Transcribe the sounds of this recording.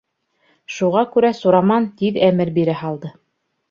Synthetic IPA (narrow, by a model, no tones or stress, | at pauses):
ʃuʁɑkʉɾæsuɾɑmɑnt̪iðæmɘɾbiɾæɦɑlˠd̪ɤ